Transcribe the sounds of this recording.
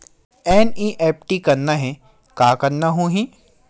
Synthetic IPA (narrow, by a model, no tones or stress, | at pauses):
ɛːniʔeːp̚ʈikɐɾnaɦɛ̃ | kaːkɐɾnaɦũːɦĩ